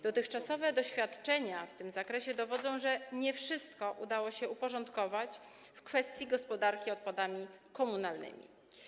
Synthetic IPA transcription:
d̪̥ɔt̪ɘxt͡ʂasɔvɛd̪ɔɕfʲjat̪t͡ʂɛɲaft̪ɘmzakɾɛɕɛd̪ɔvɔd̪zɔ̃w̃ʐɛɲɛfʂɘst̪kɔʔud̪awɔɕɛupɔʐɔnt̪kɔvat͡ɕfkfɛst̪ʲjiɡɔspɔd̪aɾkʲiɔt̪̚pad̪amʲikɔmunalnɘ̰mʲḭ

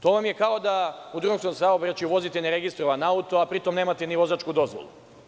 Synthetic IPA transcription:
t̪o̞ːʋamje̞kaod̪aud̪ɾuuomskomsaobɾat͡ʃiuʋo̞zit̪eneɾe̞ɡist̪ɾoʋanaut̪oapɾit̪o̞mne̞ːmat̪eniʋo̞zat͡ʃkud̪o̞zʋo̰lˠṵ

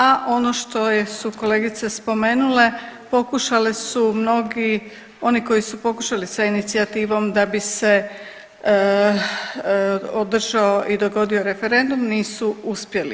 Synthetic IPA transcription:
aʔo̞no̞ʃt̪o̞jesuko̞le̞ːɡit̪se̞spo̞me̞ːnule̞po̞kuʃalisumno̞ɡi | o̞niko̞jisupo̞kuʃalisainit̪siat̪iːʋo̞md̪abise̞ | od̪r̩ʒaoʔid̪o̞ɡo̞d̪io̞ɾe̞fe̞ɾe̞nd̪umniːsuuspje̞lḭ

